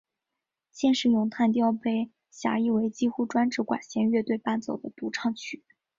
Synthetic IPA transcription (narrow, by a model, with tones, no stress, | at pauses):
ɕjɛ˥˧nʂɻ̩˥˩jʊ˧˥ŋt̪ʰa˥˧nt̪jɑ˥˧ʊpe˥˩ɪ | ɕja̰˧˥i˥˩we˧˥ɪt͡ɕi˥˧xu˥˧ʈ͡ʂwa˥nʈ͡ʂɻ̩˧˥kwa̰˨˩nɕjɛ˧˥nɥɛ˥˧t̪we˥˧ɪpa˥˩nt͡so˨˩ʊd̪ə˦t̪u˧˥ʈ͡ʂʰɑ˥˧ŋt͡ɕʰy˨˩˦